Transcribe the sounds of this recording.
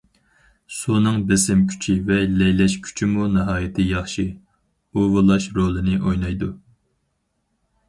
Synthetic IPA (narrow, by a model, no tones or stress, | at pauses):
sunɨŋbɪsɪmkʲʰy̥t͡ʃʰivɛlɛjlɛʃkʲʰy̥t͡ʃʰimunɨɦɑːjɪt̪ʰɪjɑχʃi | uvolˠɑʃɾolˠɨnɪʔojnɑjd̪u